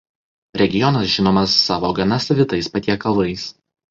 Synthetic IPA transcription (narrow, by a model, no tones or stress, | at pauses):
ɾʲɛɡʲɪjɔnɐsʒʲɪnoːmɐsːɑːʋoːɡɐnɐsɐʋʲɪt̪ɐɪspɐt̪ʲiɛkɐlˠʋɐɪs